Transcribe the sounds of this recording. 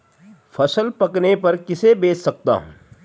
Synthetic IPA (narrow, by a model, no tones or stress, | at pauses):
fʰɐsəlpɐknepɐɾkɪsebeːssɐk̚t̪a̰ːɦṵ̃ː